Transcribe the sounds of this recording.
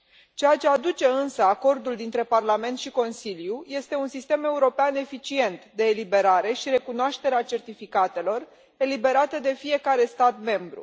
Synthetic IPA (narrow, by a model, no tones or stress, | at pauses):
t͡ʃe̞jat͡ʃe̞ad̪ut͡ʃe̞ɨnsəako̞rd̪uld̪int̪ɾe̞parlame̞nt̪ʃiko̞nsiljuje̞st̪e̞unsist̪e̞me̞uɾo̞peane̞fit͡ʃie̞nt̪d̪e̞ːlibe̞ɾaɾe̞ʃiɾe̞kunoaʃt̪e̞ɾeat͡ʃe̞rt̪ifikat̪e̞lo̞r | e̞libe̞ɾat̪əd̪e̞fije̞kaɾe̞st̪at̪me̞mbɾṵ